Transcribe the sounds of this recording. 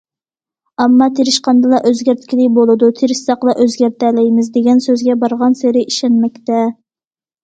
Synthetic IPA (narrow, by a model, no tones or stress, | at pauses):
ɛmːɑt̪ʰeɾɪʃqɑnd̪ɨlˠɑʔøzɡʲæɾt̪ʰɪkʲilɪbolˠɨd̪ut̪ʰeɾɪʃsɑqlˠɑʔøzɡʲæɾt̪ɛlɛjmɪzd̪eɡʲɛnsøzɡʲɛbɑɾʁɑnseɾɪiʃɛnmɛk̚ʲt̪ɛ